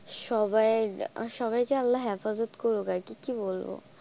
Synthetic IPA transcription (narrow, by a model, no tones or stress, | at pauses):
ʃɔbajʃɔbajkealːaɦɛfazot̪koɾukaɾkikibolbo̰